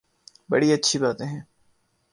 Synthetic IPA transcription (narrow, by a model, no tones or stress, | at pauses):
bɐ̰ɽiɐtːʃʰibaːt̪ẽɦɛ̃ː